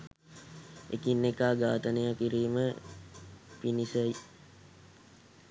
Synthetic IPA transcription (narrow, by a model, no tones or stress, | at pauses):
ḛkinːekaːɡaːt̪ənejakiɾiːmə | pinisəj